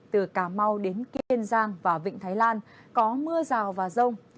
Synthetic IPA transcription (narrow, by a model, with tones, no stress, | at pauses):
t̪ɨ˨˩kaː˧˩ma˧wɗe˨˦nki˧ənzaː˧ŋvaː˨˩vḭ̈˧˨ŋ̟t̪ʰaː˨˦jlaː˧n | kɔ˨˦mɨ˧əzaː˨˩wvaː˨˩zə˧wŋ͡m